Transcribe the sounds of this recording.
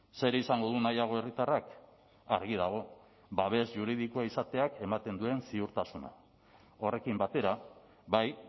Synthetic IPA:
se̞ɾeisaŋɡo̞ðunajaɣ̞o̞e̞rit̪arak | a̰ɾɣið̞aɣ̞o̞ | baβe̞zʝuɾið̞ikuaisat̪e̞ake̞mat̪e̞nd̪ue̞nsiuɾt̪asuna̰ | o̞re̞kimbat̪e̞ɾa | βaj

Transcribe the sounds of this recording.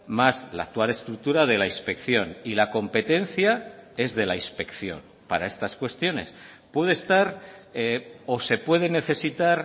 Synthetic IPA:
mazla̰ːk̚t̪wale̞st̪ɾuk̚t̪uɾaðe̞lainspe̞kθjo̞nilako̞mpe̞t̪e̞n̟θjae̞zðe̞lainspe̞kθjo̞̰n | paɾae̞st̪askwe̞st̪jo̞ne̞̰s | pwe̞ð̞eːst̪aɾeo̞se̞pwe̞ð̞e̞ne̞θe̞sit̪aɾ

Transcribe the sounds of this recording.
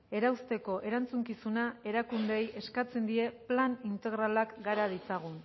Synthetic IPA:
e̞ɾawst̪e̞ko̞ʔe̞ɾant͡suŋkisunae̞ɾakund̪ejʔe̞skat͡se̞nd̪ie̞planint̪e̞ɣɾalakɡaɾað̞it͡saɣ̞un

